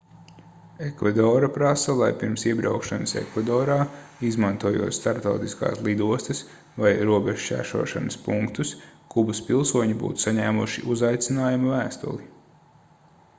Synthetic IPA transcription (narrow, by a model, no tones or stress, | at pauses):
ekvad̪ɔːɾapɾasɐlˠajpiɾmsiɛbɾawkʃanɐsḛkvad̪ɔːɾaːizmant̪uɔjṵːt̪st̪aɾpt̪awt̪iska̰ːslˠid̪uɔst̪ɐs | vajɾuɔbeʒt͡ʃʲæ̰ːʃṵɔʃa̰nɐspuŋkt̪uskubɐspilˠsuɔɲibṵːt̪u̥saɲæːmuʃḭʔuzajt̪sinaːjumɐvæːst̪ṵlˠi